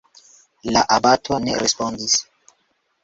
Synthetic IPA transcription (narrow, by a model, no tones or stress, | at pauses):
laʔabatʰo̞nḛɾespondis